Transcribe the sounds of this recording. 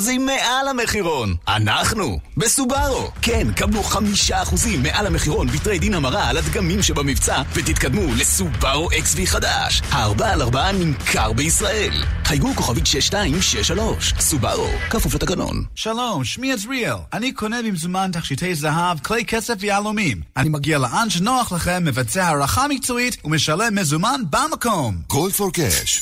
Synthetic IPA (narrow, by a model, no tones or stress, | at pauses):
zimːeʔalameχiʁo̞na̰naχnubesubaʁo̰ | kenkabluχamiʃaːχuzimːe̞ʔalhameχiʁo̞nbit̪ʁe̞jd̪inhamaʁaːlat̪ɡamimʃebamivt͡savet̪it̪kad̪mule̞subaʁoʔeksviχada̰ʃhaːʁbaaːlaʁbaanimkʰaʁbeisʁae̞lχajɡukoχavit̪ʃeʃtaimʃeʃalo̞ʃsuba̰ʁo̰kafuflet̪aɡano̰nʃalomʃmiɛzɹilanikʰonevimzumantaχʃitʰejzaɦavklejkʰesefvejalomimanimaɡialeʔanʃenoaχlaχemːevat͡seahaʁaχamik̚t͡soitumeʃalemːezumanbamakomkoldfoɾkḛʃ